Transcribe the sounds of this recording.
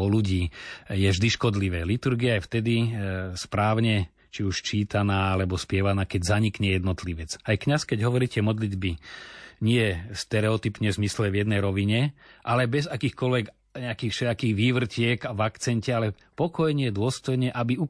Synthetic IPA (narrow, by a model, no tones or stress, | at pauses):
ɔluɟiːjɛvʒd̪iʃkɔd̪liʋɛːlit̪uɾɡiaajft̪ɛd̪ispɾaːʊɲɛ | t͡ʃiuʃt͡ʃiːt̪anaːalɛbɔspɪɛʋanaːkɛɟzaɲikɲɛjɛd̪nɔt̪liʋɛt͡sajkɲaskɛɟɦɔʋɔɾiːcɛmɔd̪lid̪biɲɪɛst̪ɛɾɛɔt̪ipɲɛzmislɛʋjɛd̪nɛjɾɔʋiɲɛʔalɛbɛzakiːxkɔlʋɛɡ | ɲɛakiːfʃɛʎakiːɣʋiːʋr̩cɪɛɡaʋakt͡sɛncɛalɛ | pɔkɔjɲɪɛd̪ʊɔst̪ɔjɲɛʔabiu